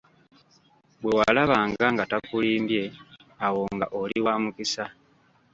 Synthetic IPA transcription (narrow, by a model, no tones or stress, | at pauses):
bwe̞walaβaːŋɡaŋɡatakuliːmbje̞awo̞ŋɡaʔoliwaːmukisa